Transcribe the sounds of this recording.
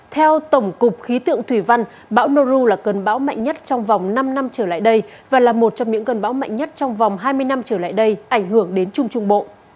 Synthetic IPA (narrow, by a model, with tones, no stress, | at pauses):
t̪ʰɛ˧wt̪ə˧˩wŋ͡mkʊ˨˩k͡p̚xi˨˦t̪ɨ̰˧˨əŋt̪ʰwi˧˩va˧n | ɓa̰ː˧˥wno˧zu˧laː˨˩kə˨˩nɓa̰ː˧˦˥wma̰˧˨jŋɲə˦˥t̚t͡ɕɔ˧wŋ͡mva˨˩wŋ͡mna˧mna˧mt͡ɕəː˧˩la̰ː˧˨jɗə˧j | vaː˨˩laː˨˩mo˨˩t̚t͡ɕɔ˧ŋ͡mɲɨ̰˧˥ŋkə˨˩nɓaː˧˦wma̰˧˨jŋɲə˦˥t̚t͡ɕɔ˧wŋ͡mva˨˩wŋ͡mɦaː˧jmɨ˧əjna˧mt͡ɕəː˧˩la̰ː˧˨jɗə˧jʔa˧˩jŋ̟ɦɨ˧˩əŋɗe˨˦nt͡ɕʊ˧ŋ͡mt͡ɕʊ˧ŋ͡mɓo̰˧˨